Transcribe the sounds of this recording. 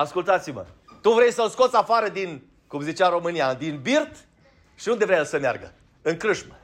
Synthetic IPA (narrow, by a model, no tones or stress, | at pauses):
askult̪at̪simə̰ | t̪uvɾe̞jsəlsko̞t̪sʲafaɾəd̪in | kumzit͡ʃaɾo̞mɨniad̪inbirt̪ | ʃiund̪e̞vɾeajelsəmea̰rɡə̰ | ɨŋkɾɨʃmə